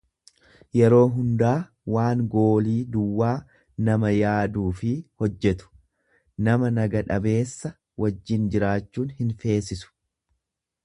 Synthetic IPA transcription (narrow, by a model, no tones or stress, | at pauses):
jɛɾo̞ːɦʊnd̪aː | waːŋɡo̞ːliːd̪ʊwːaː | nɐmɐjaːd̪uːfɪhɔd͡ʒːɛt̪ʊ̥ | nɐmɐnɐɡɐᶑɐbe̞ːsːɐ | wɐd͡ʒːɪnd͡ʒɪɾaːt͡ʃːuːnhɪnfe̞ːsɪsʊ̥